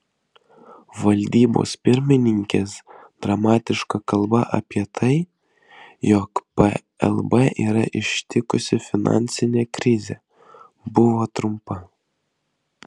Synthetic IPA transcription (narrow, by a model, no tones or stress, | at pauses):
ʋɐlʲd̪ʲiːbo̰spʲɪɾʲmʲɪnʲɪŋʲkʲes | d̪̥ɾɐmɑːt̪ʲɪʃkɐkɐlˠbɐʔɐ̰pʲiɛt̪ʰɐɪ | jɔkpɛ | ɛ̰lˠbɛʔiːɾɐ̰ʔɪʃt̪ʲɪkʊsʲɪfʲɪnɑ̰nʲsʲɪnʲekɾʲɪzʲḛ | bʊʋoːt̪ɾʊmpɐ